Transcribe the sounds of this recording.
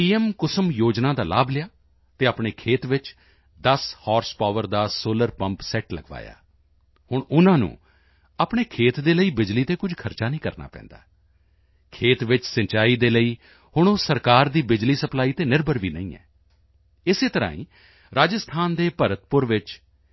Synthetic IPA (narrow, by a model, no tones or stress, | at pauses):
piːɛmkʊsəmjoːd͡ʒnãːd̪aːla̰ːblɪjaː | t̪eːaːpɳeːkʰeːt̪ʋɪt͡ʃ | d̪əshɔːɾspaːʋəɾd̪aːsoːləɾpə̃mpsɛːʈləɡʋa̰ːja̰ː | hʊɳʊnãːnṵ̃ː | aːpɳeːkʰeːt̪d̪eːləiːbɪd͡ʒliːt̪eːkʊd͡ʒʱkʰəɾt͡ʃaːnĩːkəɾna̰ːpɛ̰̃ːnd̪a̰ː | kʰeːt̪ʋɪt͡ʃsəɲt͡ʃaːiːd̪eːləiː | hʊɳ̃oːsəɾkaːɾd̪iːbɪd͡ʒliːsəplaːiːt̪eːnɪɾbəɾʋiːnə̰ĩːɛ̰ː | ɪseːt̪əɾã̰ːḭ̃ː | ɾaːd͡ʒəst̪ʰaːnd̪eːpəɾət̪̚pʊɾʋɪt͡ʃ